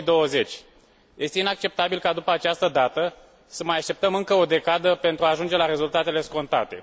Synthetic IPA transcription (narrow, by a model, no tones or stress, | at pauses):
d̪o̞wəze̞t͡ʃʲ | jʔe̞st̪einak̚t͡ʃe̞p̚t̪abilkad̪upəat͡ʃast̪əd̪at̪ə | səmajaʃt̪e̞pt̪əmɨŋkəo̞d̪e̞kad̪əpe̞nt̪ɾuaːʒund͡ʒe̞laɾe̞zult̪at̪e̞le̞sko̞nt̪a̰t̪e̞